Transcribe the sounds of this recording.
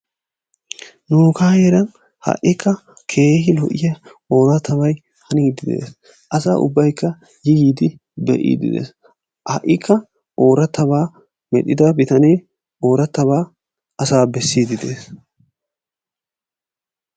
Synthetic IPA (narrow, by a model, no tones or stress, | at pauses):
nuːkaːjeːɾɐn | hɐ̰ʔɪkːɐ | kʰe̞ːhɪlɔ̰ʔɪjɐ | o̞ːɾɐt̪ʰːɐβɐj | hɐniːd̪ɪd̪e̞̰ːs | ʔɐsa̰ːʔʊ̰bːɐjkːɐ | jɪɡiːd̪ɪ | bɛ̰ʔḭːd̪ɪ̰d̪ḛːs | hɐ̰ʔɪkʰːɐ | ʔo̞ːɾɐt̪ːɐbaː | mɛ̰ɗɪd̪ɐbɪt̪ɐneː | o̞ːɾɐt̪ːɐβaː | ʔɐsaːbɛsːiːd̪ɪd̪eːs